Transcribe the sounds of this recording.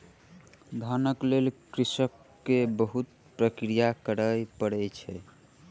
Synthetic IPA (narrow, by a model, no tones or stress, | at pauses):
d̪ʱənəklelkɾisəkː | ebəɦut̪̚ | pɾəkɾijakəɾəjpəɽɛjt͡ʃʰɛ